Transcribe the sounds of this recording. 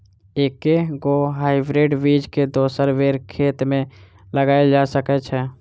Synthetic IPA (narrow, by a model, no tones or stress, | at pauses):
eːkeɡoːɦaːɪbɾeːɖʋiːd͡ʒked̪oːsəɾʋeːɾkʰeːt̪mẽ | ləɡaːed͡ʒaːsəkɛt͡ʃʰɛː